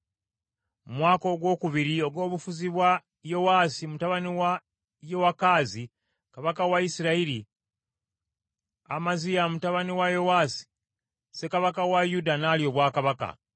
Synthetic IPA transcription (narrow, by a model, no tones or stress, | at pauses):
mumwaːko̞ɡwo̞ːkuβiɾio̞ɡo̞ːβufuziβwa | jo̞waːsimutaβaniwa | jo̞wakaːzi | kaβakawaisiɾaiɾi | a̰mazijamutaβaniwajo̞waːsi̥ | se̞kaβakawajudanaːljo̞βwaːkaβaka̰